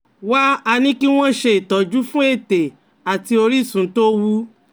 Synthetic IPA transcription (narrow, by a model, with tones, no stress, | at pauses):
wa˦a˧nĩ˦ki˦w̃ɔ̃˦˨ʃe˧i˨tɔ˨d͡ʒu˨˦fũ˦e˦˨te˨ | a˨ti˧o˧ɾi˦˨sũ˨˦to˦wu˦